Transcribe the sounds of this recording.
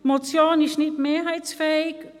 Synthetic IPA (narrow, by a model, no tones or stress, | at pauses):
mot͡sjoːnɪʃnɪdmeːɐɦaɪt͡sfɛːɪk